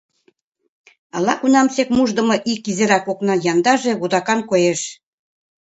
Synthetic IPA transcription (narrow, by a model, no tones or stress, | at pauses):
ɑlɑ̰kunɑmsekmuʒd̪ə̆mɤ̆ʔikizeɾɑkoknɤ̆jɑnd̪ɑʒeβud̪ɑkɑnkojeʃ